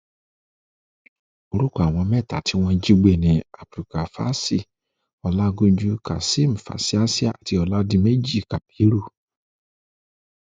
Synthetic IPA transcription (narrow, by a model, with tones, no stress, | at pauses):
o˧ɾu˦ka˦˨a˨w̃ɔ̃˧mɛ˦˨ta˨tʰi˨˦w̃ɔ̃˧d͡ʒi˦ɡ͡be˦˨nĩ˨a˨fɾi˨ka˨fa̰˦si˦˨ | ɔ˧la˦ɡũ˧˦d͡ʒu˧ka̰˨si˦m̩˨fa̰˨si˦a˦si˦a̰˦˨ti˨˧˦ɔ˧la˦dĩ˧me˦d͡ʒi˦˨ka˨bi˨˦ɾu˦˨